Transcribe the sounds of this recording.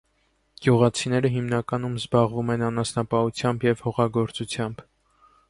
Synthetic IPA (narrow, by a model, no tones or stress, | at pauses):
ɡ̥juʁɑt͡sʰin̪ɛɾəɦimnɑkɑn̪umzbɑʁvumɛnɑnɑsnɑpɑhut͡sʰjɑmbjɛvhɔʁɑɡɔɾt͡sut͡sʰjɑmb